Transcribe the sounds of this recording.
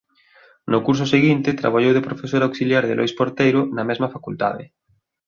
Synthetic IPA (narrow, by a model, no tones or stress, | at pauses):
nʊkuɾs̬ʊseɣint̪ɪt̪ɾa̰βaʎowðepɾofesoɾawksiljaɾðḛlojspoɾt̪ejɾʊnɐmɛzmɐfakult̪aðɪ̰